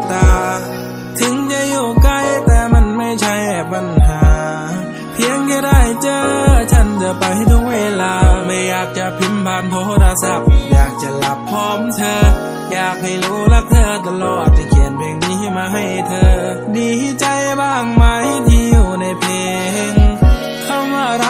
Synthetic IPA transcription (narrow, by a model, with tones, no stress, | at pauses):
t̪aː˧˩ | t̪ʰɯ˨˧˦ŋt͡ɕa˧˨juː˧˩ka˧˩jt̪ɛː˧˩ma˧˥˨nma˧˥˩jt͡ɕʰa˧˥jbɛː˨˩p̚pa˧˨nɦaː˨˧˦ | pʰi˧˥əŋka˧˩da˧˩jt͡ɕɤː˧t͡ɕʰa˧˩nt͡ɕa˧˩pa˨˧jha˧˩jt̪ʰu˧˥k̚weː˧˨laː˧ma˧˩jaː˨˩k̚t͡ɕa˧pʰi˧˥mpʰaː˧nt̪ʰoː˧˥t̪ɾaː˧sa˧p̚jaː˨˩k̚t͡ɕa˧˨la˧˩p̚ʰːɔː˧˩mt̪ʰɤː˧ | jaː˨˩k̚ha˧˩jɾuː˧˥˩la˧˩k̚t̪ʰɤː˧t̪a˧lɔː˨˩t̪̚ːi˧˩kʰi˨˩ənpʰeː˧˩ŋmiː˧hʰa˧˩maː˧ɦa˧˩jt̪ʰɤː˧diː˧˩ha˧˩t͡ɕa˧jbaː˧˩ŋma˧jt̪ʰiː˧juː˧˩na˧˩jpʰeː˧ | ŋ | kʰa˧˩wmaː˧˩˨ɾ